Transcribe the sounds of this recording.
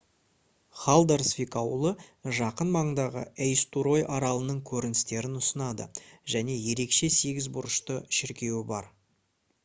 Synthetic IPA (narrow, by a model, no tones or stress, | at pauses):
χɑlˠd̪eɾsfʲikɑwlˠəʒɑqənmɑɴənd̪ɑʁə̰ejst̪uɾo̞jʔɑɾɑlˠənəɴkʲʰɵɾɪnɪst̪e̞ɾɪnʊsənɑd̪ə̰ʒæne̞je̞ɾe̞kʃe̞se̞ɡʲɪzbʊɾəʃt̪əʃɪɾkʲe̞wɪbɑɾ